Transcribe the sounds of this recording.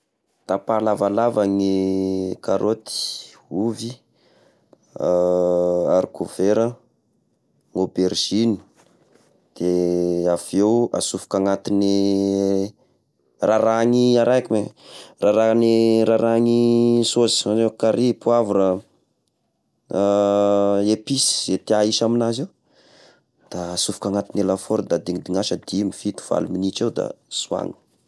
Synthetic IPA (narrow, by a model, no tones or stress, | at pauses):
t̪apalavalavaŋikaɾʔot̪i̥ | uvi | aɾikoveɾə | ŋobeɾʒ̥inu̥ | d̪̥eafewa̰sufu̥kaŋat̪ini | raɾaŋiaɾajkimeraɾaniɾaɾaŋisozi̥azekaɾipuavuɾə | episi̥zet̪eaiʃaminazew | d̪̥aːsufu̥kaŋat̪inelafoɾd̪ad̪iŋid̪iŋaʃəd̪imifit̪u̥v̥a̰luminit͡ʃed̪a̰sua̰ŋə̥